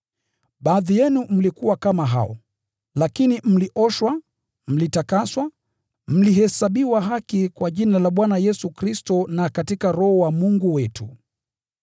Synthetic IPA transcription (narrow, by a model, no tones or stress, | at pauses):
ɓaːðijɛnum̩likuwakamaɦa̰ɔ̰ | lakinim̩liʔɔʃwa | m̩litakaswa | m̩liɦɛsaɓiwaɦakikwaʄinalaɓwanajɛsukɾistɔnakatikaɾɔhɔwamuŋɡuwɛtu